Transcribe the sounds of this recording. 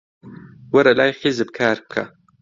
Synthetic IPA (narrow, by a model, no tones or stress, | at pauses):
wɐɾɐlaːjxizɨb̚kʰaːɾkʰɐ̰